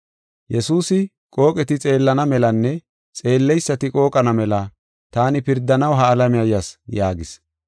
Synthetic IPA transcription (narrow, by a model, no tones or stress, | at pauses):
jɛsuːsɪ | kʼo̞ːkʼɛt̪ɪt͡sʼe̞ːlːɐnɐmɛlɐnːɛ | t͡sʼe̞ːlːɛjsːɐt̪ɪkʼo̞ːkʼɐnɐmɛlɐ | t̪aːnɪpɪɾd̪ːɐnɐwɦɐːlɐmɪjɐjɐsjaːɡɪs